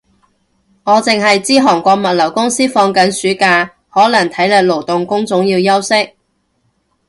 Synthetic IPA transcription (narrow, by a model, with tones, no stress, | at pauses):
ŋɔː˨˧t͡sɪ˨ŋɦɐ˨jt͡siː˥ɦɔː˨˩ŋkʷɔː˧k̚mɐ˨t̚lɐ˨˩wkʊ˥ŋsiː˥fɔː˧ŋkɐ˨nsyː˨˥kaː˧ | hɔː˨˥lɐ˨˩ŋt̪ʰɐ˨˥jlɛ˨˧k̚lo˨˩wt̪ʊ˨ŋkʊ˥ŋt͡sʊ˨˥ŋjiː˧wjɐ˥wsɪ˥k̚